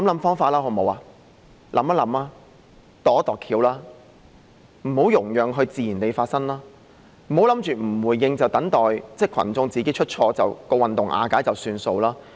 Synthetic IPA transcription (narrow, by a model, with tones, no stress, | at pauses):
lɐ˧˥mlɐ˨˥mfɔː˥ŋfaː˧t̚laː˥ɦɔ˨˧mo˨˥waː˧˩ | lʔɐ̰˨˥mɐ˥lɐ˨˥maː˥ | t̪ɔː˨˥t̪ɔː˨˩kʰiː˨˧˥wlaː˥ | m̩˨˩ho˨˥wjʊ˨˩ŋjœː˨˩ŋɦɵ˧t͡siː˨˩jiː˨˩nt̪e˨˧jfaː˧t̚sɐ˥ŋlaː˥ | m̩˨˩ho˨˥wlɐ˨˥mt͡ʃyː˨m̩˨˩wuː˨jːɪ˧ŋt͡sɐ˨˩wt̪ɐ˨˥ŋt̪ɔː˨jt͡sɛː˥˩kʰɐ̰˨˩nt͡sʊ˧ŋt͡siː˨ke˨˥jt͡ʃʰɵ˥t̚t͡ʃʰɔː˧t͡sɐ̰˨wkɔː˧wɐ˨nt̪ʊ˨ŋʔa̰ː˨˧kaː˨˥jt͡sɐ˨wsyː˧nso˧wlaː˥